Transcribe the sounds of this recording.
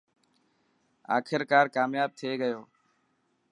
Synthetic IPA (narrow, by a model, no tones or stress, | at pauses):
a̰ːkʰɪɾkaːɾkaːmjaːb̚t̪ʰeːɡəjoː